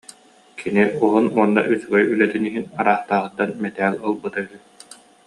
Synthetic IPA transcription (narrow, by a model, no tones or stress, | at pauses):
kʰiniɔɦunuɔnːa̰ʔysyɡœjylɛt̪yniɦinaɾaːχt̪aːʁɯt̪ːanmɛt̪ɛːlɔlˠbɯt̪ayɦɯ